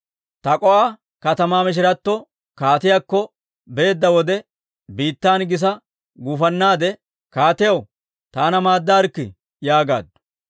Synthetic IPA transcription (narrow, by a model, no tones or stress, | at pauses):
t̪ɐkʼɔʔaː | kɐt̪ɐmaːmɪʃ̬ɪɾɐt̪ːɔ | kaːt̪ɪjakːɔ | be̞ːd̪ːɐwɔd̪ɛ | biːt̪ːaːnɡɪs̬ɐ | ɡuːfɐnːaːd̪ɛ | kaːt̪ɪjɐw | t̪aːnɐmaːd̪ːaːɾkːɪ̰ | jaːɡa̰ːd̪ːʊ̥